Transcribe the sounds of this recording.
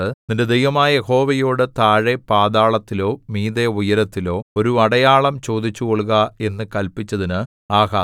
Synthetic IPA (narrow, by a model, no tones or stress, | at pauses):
ɨninde̞d̪ejʋɐmaːɐjeho̞ːʋɐjoːɽɨt̪aːɻepaːd̪aːɭɐt̪ːilo̞ːmiːd̪eujɐɾɐt̪ːilo̞ːo̞ɾuɐɽɐjaːɭɐmt͡ɕo̞ːd̪it͡ɕːuɣoɭuɣɐe̞nːɨkɐlpit͡ɕːɐðinɨ | aːɦaː